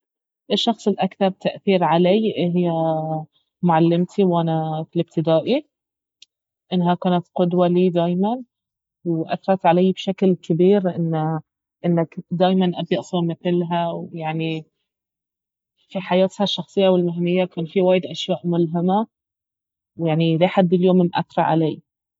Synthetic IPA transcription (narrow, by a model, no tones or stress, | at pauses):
ʔɪʃːɑxsˤɪlʔakθɑɾˤb̚t̪aʔθiːɾʕalajʔɪɦj | mʊʕalːɪmt̪ʰiwʔanafɪlɪb̚t̪ɪd̪aːʔi | ʔɪnːɦakaːnat̪qʊd̪waliːd̪aːjman | wʔa̰θɑɾˤɑt̪ʕalajːbʃaklkɪbiːɾʔɪnː | ʔɪnːakd̪aːjmanʔabjɑʔsˤɑmɪθlɦawjaʕni | fiħajaːt̪haʃːɑxsˤɨjːawɪlmaɦnɪjːakaːnfiwaːjɪd̪ʔaʃjaːʔmʊlɦɪma | wjaʕnilaħad̪ːɪljoːmɪmʔa̰θɾˤɑ̰ʕa̰lajː